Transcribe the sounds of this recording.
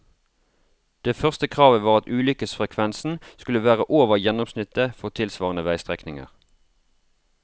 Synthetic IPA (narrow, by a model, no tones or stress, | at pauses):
d̪̥eːfœʁst̪əkʰʁɑːʋəʋɑːʁɑt̪ʉːlʏkəsfʁɛkʰʋɛnsn̩skʉləʋæːʁəʔoːʋəjɛnʊmsnɪt̪əfɔʁt̪ʰɪlsʋɑːʁənəʋæɪst̪ʁɛknɪŋə̰ʁ